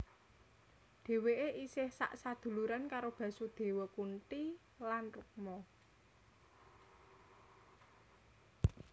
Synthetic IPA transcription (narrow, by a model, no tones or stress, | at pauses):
ɖ̪̥e̤weʔeʔisɪhsa̰ʔsad̪̥ṳluɾankaɾob̥ä̤sod̪̥e̤wɔkunʈi | lanruk̚mɔ